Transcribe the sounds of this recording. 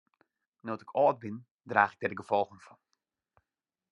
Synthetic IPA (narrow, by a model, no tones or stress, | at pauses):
notɪkʰɔːt̚bɪn | draːxɪk̚dɛdəɡəfɔlˠɣənfɔn